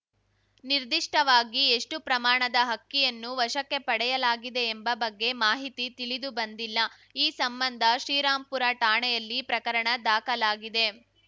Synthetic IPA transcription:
niɾd̪iʂʈɐʋaːɡieʂʈupɾɐmaːɳɐd̪ɐɦɐkːijɐnːuʋɐʃɐkːe̞pɐɽɛjɐlaːɡid̪e̞ːmbɐbɐɡːe̞maːɦit̪it̪iɭid̪ubɐnd̪ilːɐ | iːsɐmbɐnd̪ʱɐʃɾiːɾaːmpuɾaʈaːɳɛjɐlːipɾɐkɐɾɐɳɐd̪aːkɐlaːɡid̪e̞

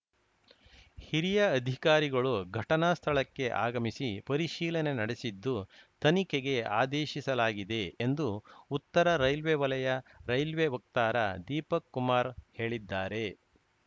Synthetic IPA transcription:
hiɾijɐːd̪ʱikaːɾiɡɐɭuɡʱɐʈɐnaːst̪ʰɐɭɐkːe̞ʔa̰ːɡɐmisipɐɾiʃiːlɐne̞nɐɽesid̪ːut̪ɐnikeɡe̞a̰ːd̪eːʃisɐlaːɡid̪e̞ːnd̪uut̪ːɐɾɐɾɐjlʋeʋɐlɐjɐɾɐjlʋeʋɐk̚t̪aːɾɐ̰d̪iːpɐkːumaːɾhe̞ːɭid̪ːaːɾe̞

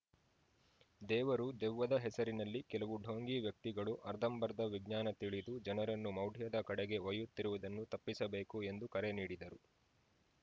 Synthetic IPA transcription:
d̪ɛːʋɐɾud̪ɛʋːɐd̪ɐɦɛsɐɾinɐlːikɛlɐʋuɖʱoːŋɡiʋjɐk̚t̪iɡɐɭuʔɐɾd̪ʱɐmbɐɾd̪ɐʋiɡɲaːnɐt̪iɭid̪ud͡ʒɐnɐɾɐnːumɐwɖʱijɐd̪ɐkɐɽɛɡe̞ojut̪ːiɾuʋɐd̪ɐnːut̪ɐpːisɐbe̞ːkue̞nd̪ukɐɾeniːɽid̪ɐɾu

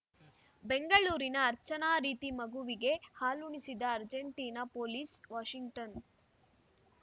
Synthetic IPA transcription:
beŋɡɐɭuːɾinɐːɾt͡ʃɐnaːɾiːt̪imɐɡuʋiɡe̞haːluɳisid̪ɐːɾd͡ʒeɳʈiːnɐpoːliːsʋaːʂiŋɡʈɐn

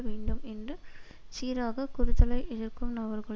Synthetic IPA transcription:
ʋeːɳɖɯmɛndrɯ | t͡ʃiːɾaːɣɐkʊɾɯt̪ːɐlɐɪʔɪðɪɾkɯmnɐʋɐɾɣɐɭ

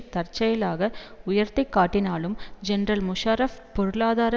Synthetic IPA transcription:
t̪ɐɾt͡ʃɐjɐlaːɣɐʊjɐɾt̪ɐɪkːaːʈːɪnaːlɯmd͡ʒɛnɾɐlmʊʂaːɾɐfpɔɾɯɭaːðaːɾɐ

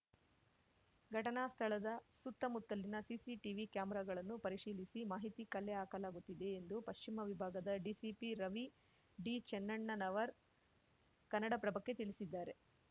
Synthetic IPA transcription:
ɡʱɐʈɐnaːst̪ʰɐɭɐd̪ɐsut̪ːɐmut̪ːɐlːinɐsisiʈiʋikjaːmɐɾaːɡɐɭɐnːupɐɾiʂiːlisimaːɦit̪ikɐlːɛaːkɐlaːɡut̪ːid̪e̞ːnd̪upɐʃt͡ʃimɐʋibʱaːɡɐd̪ɐɖisipiɾɐʋi | ɖit͡ʃɛnːɐɳːɐnɐʋɐɾ | kɐnːɐɽɐpɾɐbɐkːet̪iɭisid̪ːaːɾe̞

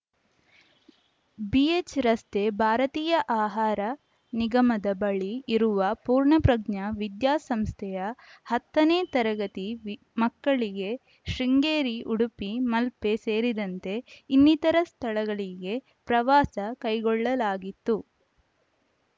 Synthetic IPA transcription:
biet͡ʃɾɐst̪ʰe̞bʱaːɾɐt̪iːjɐʔaːɦaːɾɐ | niɡɐmɐd̪ɐbɐɭiːɾuʋɐpuːɾɳɐpɾɐɡɲɐʋid̪jaːsɐmst̪ʰɛjɐhɐt̪ːɐneːt̪ɐɾɐɡɐt̪i | mɐkːɐɭiɡe̞ | ʃɾiŋɡeːɾiʔuɽupimɐlpe̞seːɾid̪ɐnt̪e̞inːit̪ɐɾɐst̪ʰɐɭɐɡɐɭiɡe̞ | pɾɐʋaːsɐkɐjɡɔɭːɐlaːɡit̪ːu

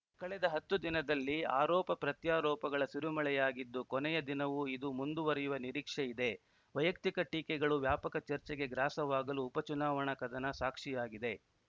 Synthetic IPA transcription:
kɐɭɛd̪ɐɦɐt̪ːud̪inɐd̪ɐlːia̰ːɾɔːpɐpɾɐt̪jaːɾɔːpɐɡɐɭɐsuɾumɐɭɛjaːɡid̪ːukɔnɛjɐd̪inɐʋuid̪umund̪uʋɐɾɛjuʋɐniɾiːkʂɛid̪e̞ | ʋɐjɐk̚t̪ikɐʈiːkɛɡɐɭuʋjaːpɐkɐt͡ʃɐɾt͡ʃɛɡe̞ɡɾaːsɐʋaːɡɐluːpɐt͡ʃunaːʋɐɳɐkɐd̪ɐnɐsaːkʂijaːɡid̪e̞

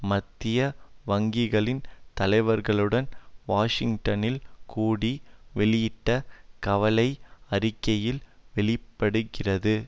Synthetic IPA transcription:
mɐt̪ːɪjɐʋɐŋɡɪɣɐɭɪnt̪ɐlɐɪʋɐɾɣɐɭɯɽɐnʋaːʂɪŋʈɐnɪlkuːɽiʋɛɭɪjɪʈːɐkɐʋɐlɐɪɐrɪkːɐjɪlʋɛɭɪpːɐɽɯɣɪrɐðɯ

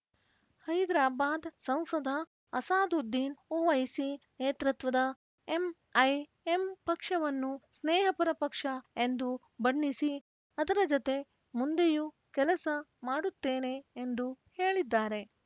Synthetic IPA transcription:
hɐjd̪ɾaːbaːd̪sɐ̃wsɐd̪ʱɐ | ɐsaːd̪ud̪ːiːnoːʋɐjsineːt̪ɾɐt̪ʋɐd̪ɐ | em | ɐj | empɐkʂɐʋɐnːusneːɦɐpɐɾɐpɐkʂɐend̪u | bɐɳːisi | ɐd̪ɐɾɐd͡ʒot̪e̞ | mund̪eju | kɛlɐsɐmaːɽut̪ːe̞ːne̞ːnd̪uheːɭid̪ːaːɾe̞

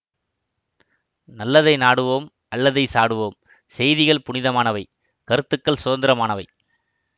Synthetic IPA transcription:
nɐlːɐðɐɪnaːɽɯʋoːm | ʔɐlːɐðɐɪsaːɽɯʋoːm | sɛjðɪɣɐɭpʊɳɪðɐmaːnɐʋɐɪ | kɐɾɯt̪ːɯkːɐɭsʊðɐnd̪ɪɾɐmaːnɐʋɐɪ

